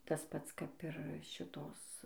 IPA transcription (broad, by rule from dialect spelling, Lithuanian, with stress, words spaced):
ˈtɐs ˈpɐts kɐp ɪr ˈʃʲɪtoːs